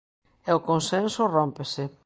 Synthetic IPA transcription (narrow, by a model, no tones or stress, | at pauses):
eʊkonsẽnsʊrompesɪ